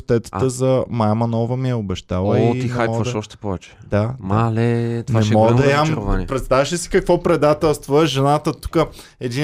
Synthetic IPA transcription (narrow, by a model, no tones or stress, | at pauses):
t̪ɛt̪ə̥t̪əzɐmajmɐnɔvəmiɛobɛʃt̪alˠəit̪inxɛajpmɔvɐʃɔʃt̪ɛ̥pɔvɛt͡ʃɛ̥d̪amalɛt̪naɛmɔd̪ɐjamvanipɾɛt̪st̪avɛʃɛsi̥kɐkvɔpɾɛd̪at̪ɛlˠst̪voɛʒɛnat̪ət̪u̥kə | ɛd̪i